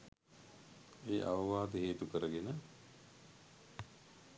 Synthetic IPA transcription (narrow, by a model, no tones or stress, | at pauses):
eːʔa̰ʋɐʋaːd̪əɦeːt̪ukəɾəɡenə